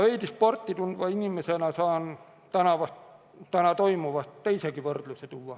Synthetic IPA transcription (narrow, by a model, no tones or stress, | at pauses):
ʋeit̪isport̪ːit̪unt̪ʋɑinimːesenæsɑːn | t̪ænɑʋɑst̪ | t̪ænæt̪oimuʋɑst̪t̪ːeisekiʋørt̪luset̪uʋːɑ